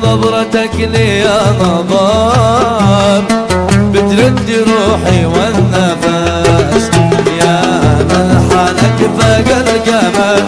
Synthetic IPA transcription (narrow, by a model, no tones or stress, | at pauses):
d̪ˤɑbɾˤɑt̪aklɪjanɑðˤɑ | bbɪt̪ɾɪd̪ːiɾuːħiwanːafasjaamanaħalakfaɡalɡama